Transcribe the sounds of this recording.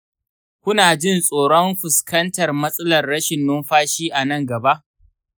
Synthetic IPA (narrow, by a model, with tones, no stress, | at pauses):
kʷʊ˦naː˨d͡ʒɪ˦˨nsʼoː˨ɽɔ˦mɸɪ˨skɐ˦ntɐ˨rmɐ˦sʼɐ˦lɐ˨rːɐ˦ʃɪ˨nːʊ˦mɸaː˦ʃiː˦ʔa˨nɐ˦˨ŋɡɐ˨ba˦ʔ